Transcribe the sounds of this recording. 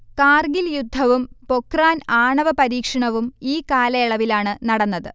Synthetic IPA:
kaːrɡiljud̪ʱːɐʋumpo̞kraːnaːɳɐʋɐpɐɾiːkʂɐɳɐʋumiːkaːlɐjɐɭɐʋilaːɳɨnɐɽɐnːɐðɨ

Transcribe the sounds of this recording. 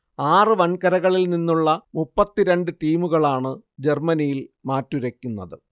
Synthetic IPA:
aːrɨʋɐnkɐɾɐɣɐɭilninːuɭːɐmupːɐt̪ːiɾe̞ɳɖɨʈiːmuɣɐɭaːɳɨd͡ʑe̞rmɐnijilmaːtːuɾɐkʲːunːɐðɨ

